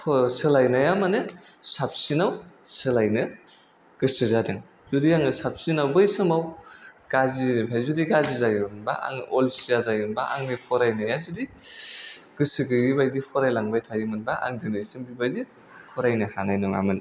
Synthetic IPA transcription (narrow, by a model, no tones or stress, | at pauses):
pʰsɯlajnajamanɯsap̚sinawsɯlajnɯ | ɡ̥ɯsɯzadɯŋ | zudijaŋɯsap̚sinawbɯjsɯmawɡ̥azipʰajzudiɡazizajɯmɯnba̰a̰ŋolsizazajɯnbaʔa̰ŋnipʰɔɾajnajazudi | ɡ̥ɯsɯɡɯbibajdipʰɔɾajlaŋbajtʰajɯmɯnbaʔa̰ŋdɯnɯsɯmbibajdi | pʰɔɾajnɯhanajnɔŋa̰mɯn